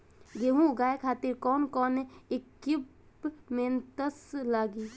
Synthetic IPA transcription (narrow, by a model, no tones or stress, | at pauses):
ɡeɦũɡaːjkʰaːt̪iɾkɔːnkɔːnekːib | meːnt̪əslaːɡiː